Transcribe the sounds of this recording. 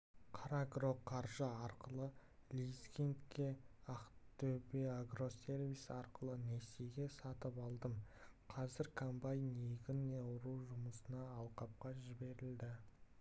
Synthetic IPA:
qʰɑɾaɡro̞qʰɑɾʒəɑɾqəlˠəlʲiskʲent̪kʲe̞aqt̪ɵbeaɡro̞se̞ɾvisɑɾqəlˠəneseɡʲe̞sɑt̪əpɑlˠd̪əm | qʰɑzɪɾkʰambajneɡʲɪnːeʊɾuwʒʊməsənɑːlˠqɑp̚qɑʒɪbe̞ɾɪld̪ɪ

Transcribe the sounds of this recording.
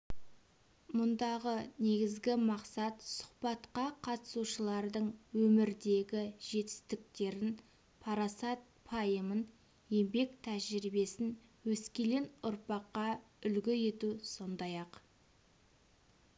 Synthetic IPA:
mʊnd̪ɑʁəne̞ɡʲɪzɡʲɪmɑqsɑt̪sʊ̥qpɑt̪qɑqʰɑt̪ə̥suʃəlˠɑɾd̪əɴwɵmɪɾd̪e̞ɡʲɪʒ̥e̞t̪ɪ̥st̪ɪk̚t̪e̞ɾɪn | pʰɑɾasɑt̪̚pʰɑjəmən | je̞mbe̞kt̪ʰæʒɾibe̞sɪnwɵskʲe̞le̞nʊɾpɑqːɑ | ʏlɡʲɪje̞t̪uso̞nd̪ɑjɑq

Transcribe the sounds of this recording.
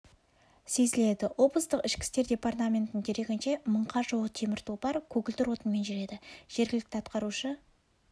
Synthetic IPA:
se̞zɪle̞d̪ɪwo̞bəst̪əqɪʃkʲɪ̥st̪e̞ɾd̪ʲe̞part̪amʲe̞nt̪ːɪŋd̪e̞ɾe̞ɡʲɪnʃe̞məɴqɑʒolˠət̪ʰe̞mɪɾt̪ʰubɑɾkʲʰɵɡʲɪlt̪ɪɾwo̞t̪ənme̞nʒʏɾe̞d̪ɪʒ̥e̞ɾɡʲɪlɪkt̪ɪɑt̪qɑɾuʃə

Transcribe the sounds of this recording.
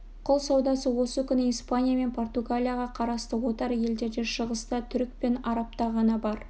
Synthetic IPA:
qʰʊlˠsɑwd̪ɑsəwo̞səkʲʏnɪijspanʲijame̞npʰo̞rt̪uɡalʲijaʁɑqʰɑɾɑst̪əwo̞t̪ɑɾje̞ld̪e̞ɾd̪e̞ʃəʁəst̪ət̪ʰʏɾk̚penɑɾɑp̚t̪ɑʁɑnɑbɑɾ

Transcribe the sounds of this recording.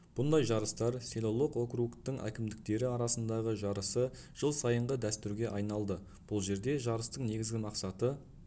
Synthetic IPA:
b̥ʊnd̪ɑjʒɑɾəst̪ɑɾselˠo̞lˠoqo̞krukt̪ːɪŋʔæ̰kʲɪmd̪ɪk̚t̪e̞ɾɪɑɾɑsənd̪ɑʁəʒɑɾəsə | ʒ̥əlˠsɑjəɴʁəd̪æst̪ʏɾɡʲe̞ʔɑjnɑlˠd̪ə | b̥ʊlˠʒe̞ɾd̪e̞ʒɑɾəst̪əɴne̞ɡʲɪzɡʲɪmɑqsɑt̪ə

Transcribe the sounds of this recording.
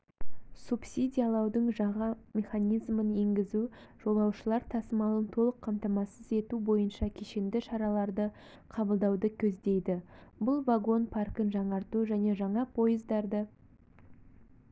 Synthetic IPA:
supsʲid̪ʲijalˠɑwd̪əɴʒɑʁɑmʲe̞χanʲijzmənje̞ŋɡʲɪzu | ʒ̥o̞lˠɑwʃəlˠɑɾt̪ʰɑsəmɑlˠənt̪ʰo̞lˠəqʰːɑmt̪ɑmɑsəze̞t̪ubo̞jənʃɑkʲʰeʃe̞nd̪ɪʃɑɾɑlˠɑɾd̪ə | qʰɑbəlˠd̪ɑwd̪əkʲʰɵzd̪e̞jd̪ɪbʊlˠvaɡo̞npʰarkənʒɑɴɑɾt̪uʒæne̞ʒɑɴɑpʰo̞jəzd̪ɑɾd̪ə

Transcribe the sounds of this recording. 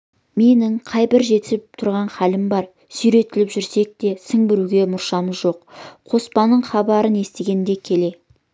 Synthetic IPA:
me̞nɪŋqʰɑjbɪɾʒe̞t̪ɪ̥sɪp̚t̪ʰʊɾʁɑnχælɪmbɑɾ | sʏjɾe̞t̪ɪlɪpʒʏɾse̞k̚t̪e̞səŋbɪɾuɡʲe̞mʊɾʃɑməzʒo̞qʰo̞spɑnːəɴχɑbɑɾəne̞st̪eɡʲe̞nd̪e̞kʲʰe̞le̞

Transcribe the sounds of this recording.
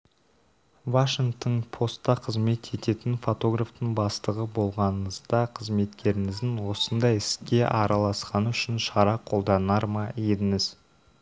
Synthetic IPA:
vaʃɪŋk̚t̪əɴpʰo̞st̪ːɑqʰəzme̞t̪ʰe̞t̪e̞t̪ɪnfo̞t̪o̞ɡraft̪əɴbɑst̪əʁəbo̞lˠʁɑnəəzd̪ɑqʰəzme̞t̪kʲʰe̞ɾɪŋɪzd̪ɪnwo̞sənd̪ɑjɪskʲe̞ʔɑɾɑlˠɑsqɑnəʏʃɪnʃɑɾɑqʰo̞lˠd̪ɑnɑɾmɑed̪ɪŋɪz

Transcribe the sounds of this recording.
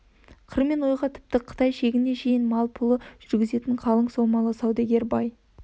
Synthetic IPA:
qʰəɾme̞nwo̞jʁɑt̪ʰɪ̥p̚t̪ɪqʰə̥t̪ɑjʃe̞ɡʲɪne̞ʃe̞jɪnmɑlˠpʰʊlˠəʒ̥ʏɾɡʲɪze̞t̪ɪɴqʰɑlˠəɴsowmɑlˠəsɑwd̪ɑɡʲe̞ɾbɑj

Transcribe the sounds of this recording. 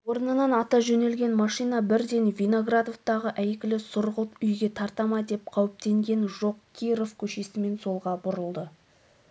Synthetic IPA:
wo̞ɾnənɑnɑt̪ɑʒɵne̞lɡʲe̞nmɑʃijnɑbɪɾd̪e̞nvʲino̞ɡrad̪oft̪ɑʁəʔæjkʲɪlɪsʊɾʁəlˠʏjɡʲe̞t̪ʰɑɾt̪ɑmɑd̪e̞p̚qʰɑwɪp̚t̪e̞ŋɡʲe̞nʒo̞q̚kʲʰijɾo̞fkʲʰɵʃe̞sɪme̞nso̞lˠʁɑbʊɾəlˠd̪ə

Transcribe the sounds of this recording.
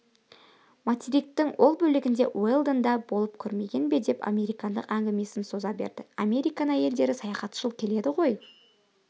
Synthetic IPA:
mot̪ʲiɾik̚t̪ɪŋwʔo̞lˠbɵlɪɡʲɪnd̪e̞welˠd̪ənd̪ɑbolˠəp̚kʲʰʏɾme̞ɡʲe̞nbe̞d̪e̞pa̰me̞ɾijkɑnd̪ə̰qæŋɡʲɪme̞sɪnso̞zɑbe̞̰ɾd̪ɪame̞ɾijkɑnəje̞ld̪e̞ɾɪsɑjɑχɑt̪ʃəlˠkʲʰe̞le̞d̪ɪʁo̞j

